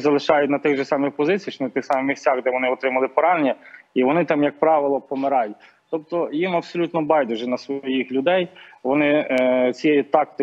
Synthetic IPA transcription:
zɐlˠɪʃɑjʊt̚ʲnɐt̪ɪɣʒɛsɑmɪxpɔzɪt͡sʲijt͡ʃnɐt̪ɪxsɑmɪmʲisʲt͡sʲaɣd̪ɛʋɔnɪɔt̪ɾɪmɐlˠɪpɔɾɑnʲːɐiʋɔnɪt̪ɑmjɐk̚pɾɑʋɪlˠɔpɔmɪɾɑjʊt̚ʲ | t̪ɔpt̪ɔjimɐbsɔlʲut̪nɔbɑjd̪ʊʒɛnɐsʋɔjixlʲʊd̪ɛjʋɔnɪt͡sʲijɛjʊt̪ɑkt̪ɪ

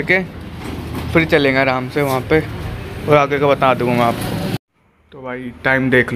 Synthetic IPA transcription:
ke | fʰɪɾt͡ʃɐlẽːɡaɾaːmseʋɐɦãpeɔːɾaːɡekobɐt̪aːd̪ũɡũaːpko | t̪obʱaːiʈaːɪmd̪eːkʰl

